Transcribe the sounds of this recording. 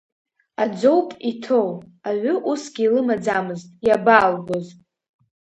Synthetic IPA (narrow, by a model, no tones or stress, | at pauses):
ad͡ʒʷo̞wpʼitʰowaʕʷʏʔusɡʲɪilɨmad͡zamɨztʼjabaːlɡʷoz